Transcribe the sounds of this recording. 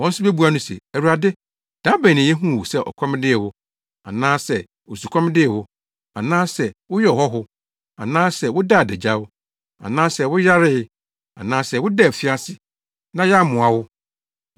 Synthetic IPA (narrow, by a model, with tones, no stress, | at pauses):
wɔ̃˦n̩˦sʊ˦be˦bu˦a˨nʊ̃˦sɛ̰˨æ˨wu˨a˨dɪ˦ | d̥ã˦bɛ̃˨nɪ̃˨jɛ˦ɦũ˦˨wʊ˨sɛ˦ʔɔ̰˨kʰɔ̃˦m˦dɪ˦ɛ˨wʊ˦ | a̰˨nãː˦sɛ˨ | o˨su˨kʰʷɔ̃˦m̃˦dɪ˦ɛ˨hʊ˦ | a̰˨nãː˦sɛ˨wʊ˦jɛ˦ɔ˨hɔ˦ɦʊ˦ | a̰˨nãː˦sɛ˨wʊ˦da˦˨dɛ˨d͡ʑa˦wʊ˦ | a̰˨nãː˦sɛ˨wʊ˦ja˦ɾɪ˦ | a̰˨nãː˦sɛ˨wʊ˦dɛ˦˨fɪ˦a˦sɪ˦ | nã˦ja˦˨mʊ̃˨a˨wʊ˦